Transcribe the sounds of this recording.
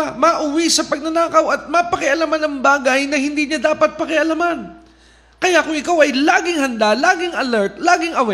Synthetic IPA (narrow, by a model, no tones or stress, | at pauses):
mɐʔʊwisɐpɐɡ̚nɐnaːkɐwɐt̪̚mɐpɐkɪʔɐlamanɐŋbaːɡɐjnɐhɪnd̪iːɲad̪aːpɐt̪̚pɐkɪʔɐlaman | kɐjakʊŋʔɪkawɐjlaːɡɪŋhɐnd̪alaːɡɪŋɐlɛɹt̪̚laːɡɪŋɐwɛ